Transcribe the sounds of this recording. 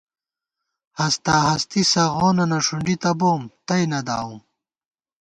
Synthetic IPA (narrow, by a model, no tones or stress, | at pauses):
hɐst̪aːɦɐst̪isɐɣoːnɐnɐʂuɳɖit̪ɐboːmt̪ɐjnɐd̪aːum